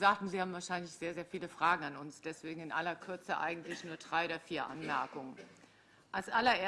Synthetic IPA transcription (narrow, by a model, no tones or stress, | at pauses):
zaːk̚tn̩ziːhaːbm̩vaːɐʃaɪnlɪçz̥eːɐzeːɐfiːləfʁ̥aːɡŋ̩anʊnsd̥ɛsv̥eːɡŋ̩ɪnʔa̰lɐkʰʏɐt͡səʔa̰ɪɡŋ̩tlɪçnuːɐdʁaɪodɐfiːɐʔa̰nmɛɐkʊŋən | ʔalsʔalɐʔeː